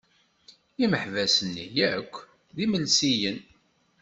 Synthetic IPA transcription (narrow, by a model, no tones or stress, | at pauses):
iməħvæsənːḭjækʷː | ðiməlsijən